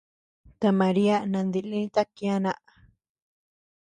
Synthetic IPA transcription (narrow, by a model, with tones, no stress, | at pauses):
t̪a˧mã˨ɾi˦a˦nã˧nd̪i˧lĩ˦t̪a˦kĩ˧˦a˦˧nã˦ʔa˨